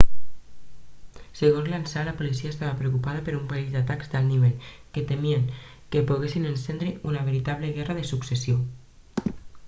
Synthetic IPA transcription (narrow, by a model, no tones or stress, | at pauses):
seɣonzlansalapolisiaest̪aβapɾeokupaðapeɾumpaizd̪at̪akzd̪alniβel | ket̪emieŋ | kepuɣesinensend̪ɾeʔunaβ̞eɾit̪aβleɣɛraðesuksesjo